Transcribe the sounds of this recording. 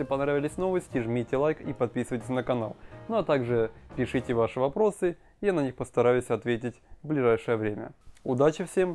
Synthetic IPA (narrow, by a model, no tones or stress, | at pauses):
ɪpɐnɾavʲɪlʲɪsʲno̞vəsʲtʲɪʐmʲitʲɪlˠajkipɐt̪̚pʲisɨvəjtʲɪ̥sʲnəkɐna̰lˠnoɐt̪aɡʐɨpʲɪʂɨtʲɪvaʂɨvɐpɾo̞sɨ | janɐnʲixpəst̪ɐɾajʉsʲɐt̪vʲet̬ʲɪtʲvblʲɪʐajʂɨjəvɾʲemʲə̰ʊd̪at͡ɕɪfsʲe̞m